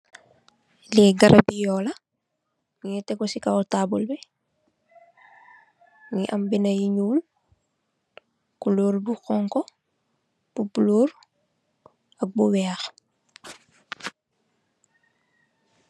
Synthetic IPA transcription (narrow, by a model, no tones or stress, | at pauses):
lɛɡɐɾʔabijɔlɐ | ɲɛtɛɡɔsikautabulbɛ | ŋiʔɐmbinɐjiɲuːl | kuluːɾbuxɔŋkɔ | b̥ubuluːɾ | ɐk̚buwɛːx